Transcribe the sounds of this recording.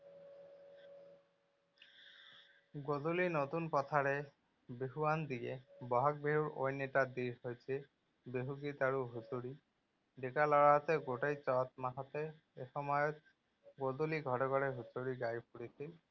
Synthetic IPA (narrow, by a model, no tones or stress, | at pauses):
ɡodulinot̪unpɔt̪ʰaɹɛ | beɦuwand̪iɡɛbɔɦɔk̚beɦuɹo̰jnːɛtad̪iɹhojsʰi | beɦuɡit̪aɹuɦutuɹi | dekalɔɹaɦɔt̪ɛɡoʈejt͡ʃɔt̪̚maɦɔt̪ɛ | exɔmɔjɔt̪̚ | ɡoduliɡʱɔɾɔɡɔɹɛɦutoɹiɡajpuɽisil